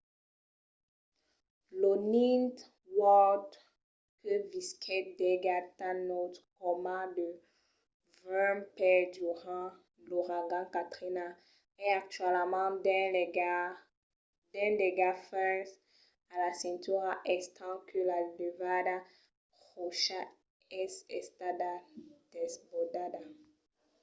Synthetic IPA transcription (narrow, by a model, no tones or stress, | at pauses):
lonĩnt̪ | wɔd | kəviskʰɛt̚d̪ɛɡat̪anot̪kɔmãdə | vɛmpɛduʁɑ̃ | loʁaɡɑ̃kat̪χina | ɛak̚t̪ɥɛlmaɑ̃dɛ̃lɛɡa | dɛ̃deɡafɛs | alasɛ̃nt̪yʁaʔɛst̪ɑ̃kʰəlaləvada | ʁoʃa | ɛsɛst̪adad̥ɛsbɔdada